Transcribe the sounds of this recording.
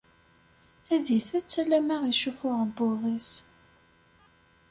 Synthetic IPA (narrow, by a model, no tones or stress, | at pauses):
æðiθæt͡sːælæmaʁiʃufʊʁboðˤis